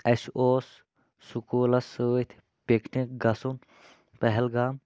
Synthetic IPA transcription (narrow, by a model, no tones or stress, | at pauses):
esoːsː | ukuːlɐsəːit̪ʰ | peknikɡɐsun | pɛɦɛlɡaːm